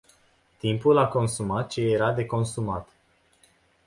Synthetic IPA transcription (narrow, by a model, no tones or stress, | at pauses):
t̪impulako̞nsumat̪̚t͡ʃeeɾad̪e̞ko̞nsumat̪